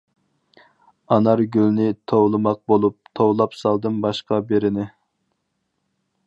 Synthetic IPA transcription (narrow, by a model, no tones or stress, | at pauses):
ɑnɑɾɡʲylnɪt̪ʰowlˠɨmɑq̚bolˠup̚t̪ʰowlˠɑpsɑlˠd̪ɨnbɑʃqɑbeɾɪnɪ